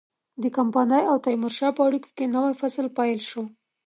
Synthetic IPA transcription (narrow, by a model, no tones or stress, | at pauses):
d̪əkampɑnajawt̪ajmʊɾʃɑpəaɽiko̥kenawajfaslpajlʃo